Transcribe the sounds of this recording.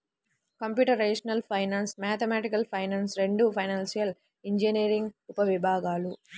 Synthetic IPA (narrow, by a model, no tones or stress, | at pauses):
kɐmpjuːʈɐɾːɐɖiʂɐnɐlpʰɐjnaːnsmaːt̪ʰɐmaːʈikɐlpʰɐjnaːnsɾeɳɖupʰɐjnaːnsijɐl | iɲd͡ʒiniːɾiŋɡupɐʋibʱaːɡaːlu